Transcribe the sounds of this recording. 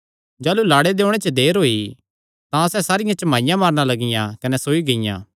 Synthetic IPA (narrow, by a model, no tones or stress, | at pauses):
d͡ʒaːlulaːɽed̪eːʊɽ̃et͡ʃəd̪eːɾɦoːi | t̪ãɐsɛsaːɾɪjãt͡ʃɐmaːɪjãmaːɾñalɐɡɪjãkɐnɛsoːiɡɐɪjã̰ː